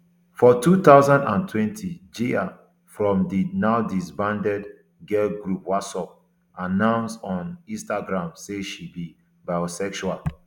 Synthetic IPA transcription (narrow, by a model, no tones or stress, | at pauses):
fɔtut̪aʊzãndã̰ntʰwɛ̃ntʰid͡ʒia | fɹɔ̃mdinaʊdisbãndɛd | ɡelɡɹupwasɔp̚ | anãʊ̃nsɔ̃nĩstaɡɹãmseʃibi | baɪosɛkʃual